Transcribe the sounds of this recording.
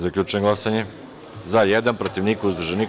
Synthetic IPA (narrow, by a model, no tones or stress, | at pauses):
zakʎʲuːt͡ʃʊjeŋɡlˠasaɲe | zajed̪anpɾot̪iʋniːkuuzd̪ɾuʒeni